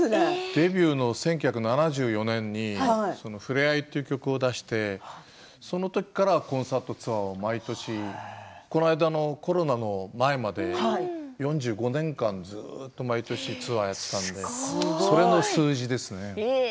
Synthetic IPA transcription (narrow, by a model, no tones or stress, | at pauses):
d̪̥e̞bʲɨːno̞sẽ̞ŋk̬ʲj̟çʲakɯ̟nanaʑɨːjo̞nẽ̞ɲ̟ːiaso̞no̞ɸɯ̟ɾe̞ait̪ːe̞iɯ̟kʲo̞kɯ̟o̞d̪aɕi̥t̪e̞ | so̞no̞t̪o̞kʲi̥kaɾakõ̞ɰ̃saːt̪o̞t͡sɨβaomait̪o̞ɕiko̞naid̪ano̞ko̞ɾo̞nano̞mae̞mad̪e̞ajõ̞ɲ̟d͡ʑɨːɡo̞nẽ̞ŋkãnd͡zɨːtt̪ːo̞mait̪o̞ɕit͡sɨβajat̪ːe̥t̪ãnd̪e̞so̞ɾe̞no̞sɨːʑid̪e̞sɨne̞